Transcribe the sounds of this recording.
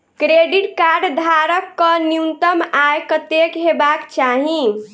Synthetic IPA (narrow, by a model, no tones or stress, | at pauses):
kɾeɖiʈkaɾɖd̪ʱaɾəkːəniunt̪əmajkət̪ekɦebakt͡ʃaɦi